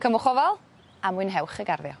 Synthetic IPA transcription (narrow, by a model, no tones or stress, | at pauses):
kʰəmʊχɔvɔlˠ | amwɨnɦɛwχəɡarðjɔ̰